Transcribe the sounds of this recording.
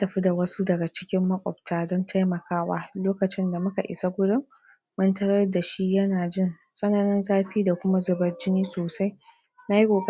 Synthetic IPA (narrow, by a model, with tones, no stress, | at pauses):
a˦tɐ˨ɸi˦da˨wɐ˦su˦dɐ˨ɡa˨t͡ʃɪ̥˦kʲɪ˦mːɐ˦kʷʼɔ̰˨b̚tʰaː˨dɔ˦ntʰa˦jmɐ˨kaː˦waː˦loː˦kɐ˨t͡ʃɪ˦nda˨mʊ˦ka̰˨ʔɪ̰˨sa˦ɡʷʊ˦dʊ˦mː | ɐ˦ntɐ˦ɽɐ˦rda˨ʃi˦jɐ˦naː˨d͡ʒɪ˦˨n | sʼɐ˦naː˨nɪ˦nzaː˦ɸiː˦da˨kʷʊ˦ma˦zʊ˨bɐ˨˦rd͡ʒɪ˦niː˦soː˨sa˦j | na˦ji˦kʷʼoː˨kʼ